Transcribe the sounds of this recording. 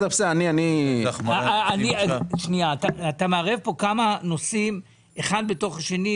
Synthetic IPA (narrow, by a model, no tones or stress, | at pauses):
t̪afseanianimaniaʃniat̪aat̪ameaʁevpo̞kamano̞sim | eχad̪̚be̞to̞χaʃe̞ni